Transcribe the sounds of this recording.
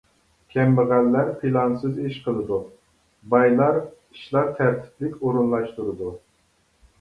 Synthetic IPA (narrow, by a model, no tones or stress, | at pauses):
kʲʰɛmbɨʁælːæɾpʰilˠɑnsɨziʃqʰəlˠɨd̪u | bɑjlˠɑɾiʃlˠɑɾt̪ʰæɾt̪ʰɪ̥plɪkʲoɾunlˠɑʃt̪uɾɨd̪u